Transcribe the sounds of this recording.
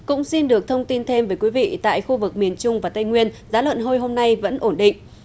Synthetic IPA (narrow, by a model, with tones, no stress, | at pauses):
kʊ̰˧˥ŋ͡msi˧nɗɨ˨˩ək̚t̪ʰə˧wŋ͡mt̪i˧nt̪ʰe˧mvəː˨˦jkwi˨˦vḭ˧˨t̪a̰ː˧˨jxu˧vɨ˨˩k̚mi˨˩ənt͡ɕʊ˧ŋ͡mvaː˨˩t̪a˧jŋwi˧ənzaː˨˦lwə̰˧˨nɦo˧jɦo˧mna˧jvə̰˧˥nʔo˧˩nɗḭ̈˧˨ŋ